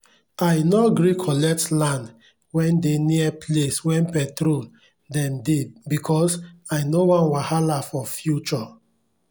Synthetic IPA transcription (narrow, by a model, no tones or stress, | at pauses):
ajnoɡɾikʰɔlɛk̚tlãnd | wɛ̃ndeniɛpʰleswɛ̃npɛtɾol | dɛ̃ndebikʰɔsaɪnowãnwahalafɔfjut͡ʃɔ